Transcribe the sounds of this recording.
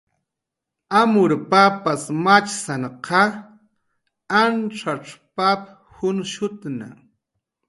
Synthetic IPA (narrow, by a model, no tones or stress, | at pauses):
amʊɾpapasmat͡ʃsaɴqʰɑ | anʈ͡ʂaʈ͡ʂpap | hʊnʃʊt̪na̰